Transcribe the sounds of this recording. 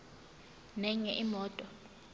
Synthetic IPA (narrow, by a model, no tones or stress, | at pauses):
nɛŋɛʔimɔːtʼɔ